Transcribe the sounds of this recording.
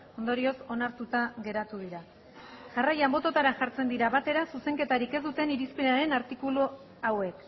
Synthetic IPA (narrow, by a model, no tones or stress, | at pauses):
o̞nd̪o̞ɾio̞so̞naɾt̪ut̪aɣe̞ɾat̪uðiɾa | ʝarajambo̞t̪o̞t̪aɾaʝaɾt͡se̞nd̪iɾaβat̪e̞ɾasuse̞ŋket̪aɾike̞zd̪ut̪e̞niɾispeɾaɾe̞naɾt̪ikulu | awe̞k